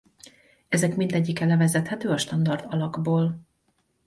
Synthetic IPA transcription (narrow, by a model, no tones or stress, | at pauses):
ɛzɛkmind̪ɛɟːikːɛlɛvɛzɛt̪hɛt̪øːɒʃt̪ɒnd̪ɒrd̪ɒlɒɡboːl